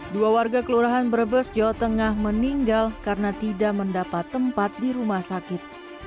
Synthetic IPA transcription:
duawarɡakəluɾaɦanbərbəsd͡ʒawat̪əŋahməniŋɡalkarnat̪idaʔməndapat̪ːəmpat̪̚diɾumahsakɪt̪̚

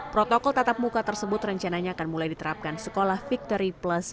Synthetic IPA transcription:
pɾot̪ɔkɔlt̪at̪ap̚mukat̪ərsəbʊt̪rəɲt͡ʃanaɲaːkanmulajdit̪əɾap̚kansəkolahfik̚t̪ɔɾiplas

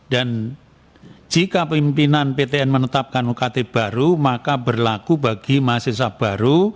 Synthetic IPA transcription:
dan | d͡ʒ̥ikapimpinanpet̪eɛnmənət̪ap̚kanukat̪eb̥a̤ɾumakabərlakubaɡ̥imases̬ab̥a̤ɾu

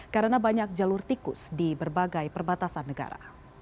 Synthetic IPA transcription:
kaɾənabaɲak̚d͡ʒalʊrt̪ikʊsdibərbaɡajpərbat̪asanːəɡa̰ɾa̰

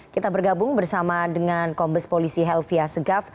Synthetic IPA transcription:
kit̪abərɡabʊŋbərsamadəŋankɔmbəspolisiɦɛlfiasəɡaf

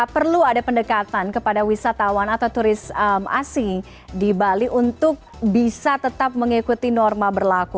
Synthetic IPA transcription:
pərluadapəndəkat̪ankəpadawisat̪awanat̪awt̪uɾɪsma̰si | dibaliʔunt̪ʊk̚ | bisat̪ət̪ap̚məŋikut̪inɔrmabərlaku

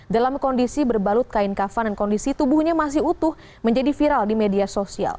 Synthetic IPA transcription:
dalamkɔndisibərbalʊt̪̚kaɪnkafandankɔndisit̪ubuhɲamas̬ɪɦut̪ʊh | məɲd͡ʒadifiɾaldimediasosia̰l

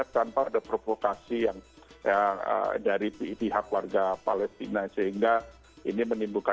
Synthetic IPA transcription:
at̚t̪anpaadapɾovokasijaŋ | jaə̰daɾiipiɦakwarɡapalɛst̪inasəɦiŋɡa | ḭnimənimbuka

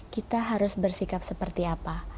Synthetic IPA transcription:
kit̪aɦaɾʊsbərsikap̚səpərt̪iapa

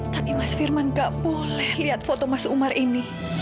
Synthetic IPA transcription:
t̪apimasfirmanɡaʔpolɛhliat̪̚fot̪ɔmasumarini

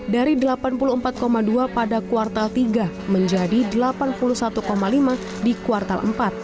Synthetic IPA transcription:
daɾidəlapanpuluəmpat̪̚komaduapadakuart̪alt̪iɡa | məɲd͡ʒadidəlapanpulusat̪ukomalima | dikuart̪alʔə̰mpat̪̚

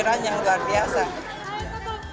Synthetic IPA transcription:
ɾaɲaŋluard̪iasa

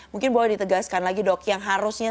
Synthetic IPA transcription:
muŋkɪnbawadit̪əɡaskanlaɡidɔk̚jaŋɦaɾusɲa

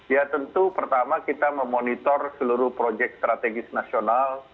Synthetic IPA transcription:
jat̪ənt̪upərt̪amakit̪aməmonit̪ɔrsəluɾʊhpɾod͡ʒɛk̚st̪ɾat̪eɡɪsnasional

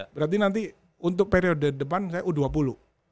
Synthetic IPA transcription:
bəɾart̪̬inant̪̬i | unt̪ʊk̚peɾiodədəpansajaʔuduapulu

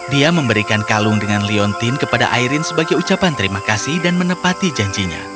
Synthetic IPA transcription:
diaməmbəɾikankalʊŋdəŋanliɔnt̪ɪnkəpada̰ʔaiɾɪnsəbaɡajut͡ʃapant̪əɾimakasɪhdanmənəpat̪id͡ʒaɲd͡ʒiɲa̰

